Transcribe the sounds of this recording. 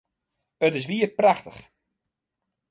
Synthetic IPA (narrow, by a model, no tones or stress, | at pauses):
ətɪs̬ʋiərpraxtə̰χ